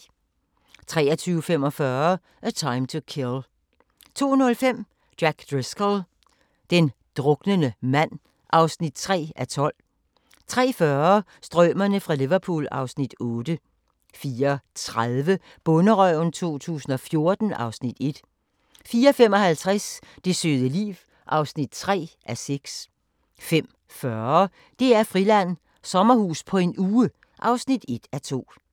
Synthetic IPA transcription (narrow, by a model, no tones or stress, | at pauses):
t͡sʰʁɛːɐt͡sʰyːʊəfem̰ɒ̽fɶɐ | ʔæt͡sʰɑ̈ɪmt͡sʰukʰel | t͡sʰo̝̰ːnɔ̽lfem̰ | d̥æɡ̥d̥ʁeskəl | d̥end̥ʁɔ̽ɡ̥nənəmæn̰ | ʔɑ̈ʊsnid̥̚t͡sʰʁɛ̰ːæt͡sʰɒ̽l̰ | t͡sʰʁɛ̰ːfɶɐ | sd̥ʁœmɐnəfʁɑ̈liʋɐpʰṵːlɑ̈ʊsnid̥ɔ̽ːd̥ə | fiːɐt͡sʰʁaðˠʋə | b̥ɔ̽nəʁœʊn̩t͡sʰo̝̰ːt͡sʰṵːsn̩ɒ̽fjo̝ɐd̥n̩ʔɑ̈ʊsnid̥e̝d̥ | fiːɐfem̰ɒ̽hælt͡sʰʁasd̥e̝sø̰ːðˠəlḭːʋ | ʔɑ̈ʊsnid̥̚t͡sʰʁɛ̰ːʔæseɡ̥s | fem̰ | fɶɐ | d̥e̝æɐfʁilæn̰ | sɒ̽mɐhuːspʰɒ̽e̝nuːə | ʔɑ̈ʊsnid̥e̝d̥æt͡sʰo̝̰ː